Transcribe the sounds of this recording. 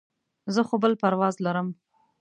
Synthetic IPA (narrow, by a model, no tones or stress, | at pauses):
zəxobəlpaɾwɑzlaɾəm